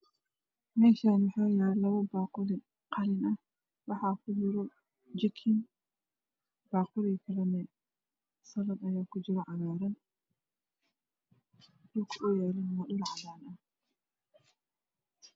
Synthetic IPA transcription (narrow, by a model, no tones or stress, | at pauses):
mɛːʃaːmʊħɔːjaːlɐwɔbaːqʊlɪ | qʰɑlɪnɐh | wɑħɑkʰʊd͡ʒɪɾɔ | d͡ʒɪkʰɪn | b̥aːqʊlikʰɐlɐmɛ | sɐlɐbɐjaːkʰʊd͡ʒɪɾɔʕɑlaːɾɐn | dʊlkʰʔʊjaːlɪnmɐɗʊlʕɑlaːnɐh